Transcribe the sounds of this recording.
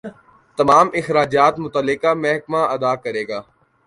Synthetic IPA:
t̪ɐmaːmɪxɾaːd͡ʒaːt̪mʊt̪əlːɪkamɛɦkmaɐd̪aːkɐɾeːɡaː

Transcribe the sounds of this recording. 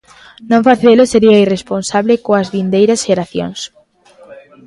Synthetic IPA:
nõɱfaθeloseɾiɐiresponsaβlɪkoɐzβind̪ejɾɐsʃeɾaθjo̰ŋs

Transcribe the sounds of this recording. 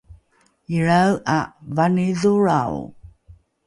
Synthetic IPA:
iɭawavaniðuɻaw

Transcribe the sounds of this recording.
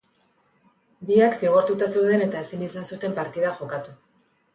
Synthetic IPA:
biaksiɣ̞o̞ɾt̪ut̪ase̞wð̞e̞ne̞t̪ae̞sinisansut̪e̞mpaɾt̪iðaxo̞kat̪u

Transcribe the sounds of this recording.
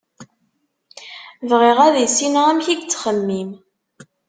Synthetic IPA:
vʁiʁæðisinæmçiɡt͡sːχəmːim

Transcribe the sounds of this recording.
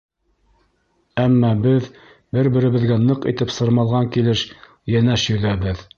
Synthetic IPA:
æmːɑbɘð | bɘɾbɘ̆ɾɘ̆βɘ̆ðɡænɤqit̪ɘpsɤ̆ɾmɑlˠʁɑŋkilɘʃ | jænæʃjɵ̆ðæβɘð

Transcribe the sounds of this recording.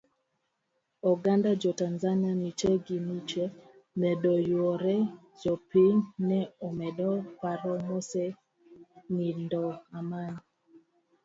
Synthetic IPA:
ɔɡandad͡ʒɔtanzanianit͡ʃɛɡinit͡ʃɛ | mɛdɔjwɔɾɛ | d͡ʒɔpiɲnɛɔmɛdɔkaɾɔmɔsɛ | nindɔaman

